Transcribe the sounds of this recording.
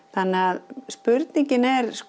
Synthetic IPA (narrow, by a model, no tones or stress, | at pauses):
θanːɪaðspʏɾt̪niɲcɪnɛɾsk